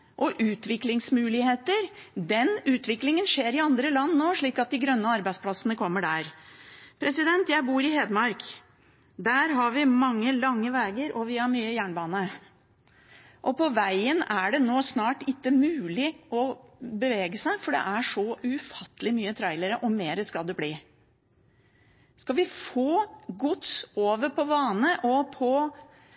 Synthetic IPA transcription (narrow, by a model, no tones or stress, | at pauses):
ʔɔʔʉːt̪ʋɪklɪŋsmʉːlɪheːt̪əɾd̪ɛnʉːt̪ʰʋɪklɪŋənʂeːɾɪɑnd̪ɾəlɑnːnoːʂɭiːkɑt̪̚d̪ɪɡɾœnːəɑɾbæɪspʰlɑsənəkʰɔmːəɖæːɾpʰɾɛsɪd̪ɛnt̪jæɪbuːɾɪheːd̪mɑɾk | d̪æːɾɦɑɾʋɪmɑŋːəlɑŋːəʋeːɡəɾʔɔʋɪhɑɾmyːəjæːɳbɑːnə | ʔɔpʰɔʋæɪənæɖɛnoːsnɑːʈɪkːəmʉːlɪɔbəʋeːɡəsæɪfɔɖɛ̰ʔæʂɔʔʉfɑt̪ːəlɪmyːət̪ʰɾæɪləɾəʔɔmeːɾəskɑd̪ːɛbliː | skɑʋɪfoːɡʊt̪soːʋəɾpʰɔʋɑːnəʔɔpʰɔ